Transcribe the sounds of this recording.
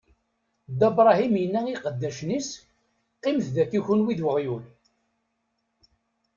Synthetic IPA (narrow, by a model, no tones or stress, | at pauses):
d̪æbɾˤɑɦimjənːæiqəd̪ːæʃnis | qːɪmθðækːiçunwiðwəʁjun